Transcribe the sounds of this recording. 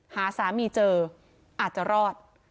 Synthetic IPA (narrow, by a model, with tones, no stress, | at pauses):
haː˩˦saː˩˦miː˧t͡ɕɤː˧ | ʔaː˨˩t̪̚t͡ɕa˨˩ɾɔː˥˩t̪̚